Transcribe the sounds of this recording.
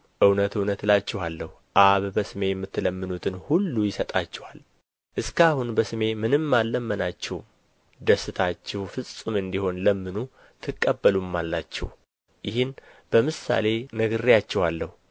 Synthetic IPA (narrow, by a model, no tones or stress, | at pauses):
ʔɨwnət̪ɨwnət̪lat͡ʃːɛhalːəhuʔaβbəsɨme̞jɛmːɨt̪ːɨləmːɨnut̪ʰɨnhulːujɪsət̪ʼat͡ʃːɛhal | ʔɨskahunbəsɨme̞mɨnɨmːalːəmːənat͡ʃːɛwm | d̪əsːɨt̪ʰat͡ʃːɛhfɨsʼɨmɨnd̪iho̞nləmːɨnu | t̪ʰɨkʼːəbːəlumːalːat͡ʃːɛ̰w | jɪhɪnb̥əmɨsa̰le̞nəɡɨrijat͡ʃːɛhalːəhu